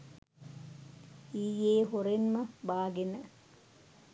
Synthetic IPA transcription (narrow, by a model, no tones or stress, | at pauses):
iːjeːɦoɾenmɐbaːɡenə